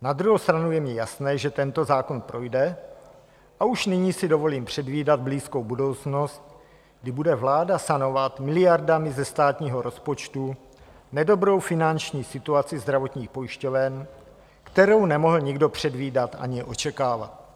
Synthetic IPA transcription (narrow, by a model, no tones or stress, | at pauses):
nad̪ɾuɦowst̪ɾanujɛmɲɛjasnɛːʒɛt̪ɛnt̪o̞zaːko̞npɾʔo̞jdɛ | ʔauʃnɪɲiːsɪdo̞vo̞liːmpr̝̥ɛdviːdad̪̚bliːsko̞wbudo̞wt͡sno̞st̪̚ | ɡdɪbudɛvlaːdasano̞vat̪mɪlɪjaɾdamɪzɛst̪aːt̪ɲiːɦo̞ɾo̞spo̞t͡ʃt̪u | nɛdo̞bɾo̞wfɪnant͡ʃɲiːsɪt̪uat͡sɪzd̪ɾavo̞t̪ɲiːxpo̞jɪʃco̞vɛn | kt̪ɛɾo̞wnɛmo̞ɦl̩ɲɪɡdo̞pr̝̥ɛdviːdat̪ʔa̰ɲɪʔo̞t͡ʃɛkaːva̰t̪̚